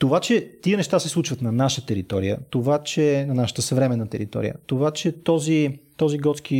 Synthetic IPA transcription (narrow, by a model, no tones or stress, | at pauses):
t̪ovat͡ʃɛt̪iənɛʃt̪asɛslˠut͡ʃvət̪nɐnaʃət̪ɛɾit̪ɔɾijə̰t̪ovat͡ʃɛnɐnaʃə̥t̪əsəvɾɛmɛnːət̪ɛɾit̪ɔ̰ɾḭjə̰t̪ovat͡ʃɛt̪ɔzit̪ɔziɡɔt̪ski